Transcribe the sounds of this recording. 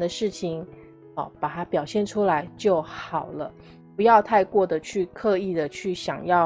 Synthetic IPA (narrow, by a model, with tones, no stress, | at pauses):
d̪ə˧ʂɻ̩˥˩t͡ɕʰi˨˩ŋ | ɔ˧˩pa˨˩t̪ʰa˥pjɑ˨˩ʊɕjɛ˥˩nʈ͡ʂʰu˥la˧˦ɪt͡ɕjo˥˩ʊxɑ˨˩ʊlə˦ | pu˧˥jɑ˥˧ʊt̪ʰa˥˧ɪkwɔ˥˩d̪ə˩t͡ɕʰy˥˧kʰɤ˥˧i˥˩d̪ə˩t͡ɕʰy˥˩ɕjɑ˨˩ŋjɑ˥˩